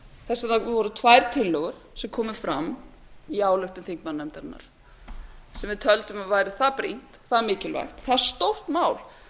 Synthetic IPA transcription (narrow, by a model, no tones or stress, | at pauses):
θɛsːanavɔɾʏt̪ʰvajɾ̥t̪ʰɪlːœɣʏɾ̥sɛmkʰɔːmʏfɾamː | iaːwlœxt̪ʏmθiŋkmanːɛmt̪aɾnːa̰ɾ̥ | sɛmvɪðt̪ʰœlt̪ʏmavaːjɾɪθapɾḭn̥t̪θaðmɪːcɪlva̰jxt̪θaɾ̥st̪owht̪maːwl